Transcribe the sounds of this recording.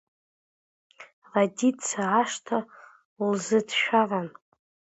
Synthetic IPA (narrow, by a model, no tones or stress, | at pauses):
raditt͡sʰaʕaʂtʰa | ulzɨdʃᶣavan